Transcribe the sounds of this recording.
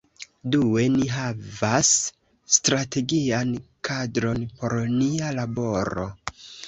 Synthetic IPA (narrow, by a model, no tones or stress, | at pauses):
due̞niɦavasː | tɾate̞ɡiankʰadɾo̞npo̞ɾnialabo̞ɾo̞̰